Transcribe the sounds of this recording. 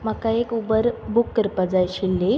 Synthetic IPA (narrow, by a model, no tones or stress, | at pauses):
m̤əkaekubəɾbukːəɾpəd͡zajɕilːe